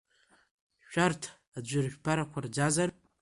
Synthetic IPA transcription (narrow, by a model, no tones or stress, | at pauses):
ʃᶣartʰ | ad͡ʒʷɪrʒʲʷᶣpʰaɾakʷʰard͡ʒazar